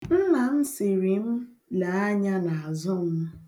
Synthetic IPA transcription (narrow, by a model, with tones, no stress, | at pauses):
m̩˦ma˨n̩˦sɪ˨ɾi˨m̩˦ | la˨˦a˦ɲa˦na˨a˨zʊ˦m̩˦m˦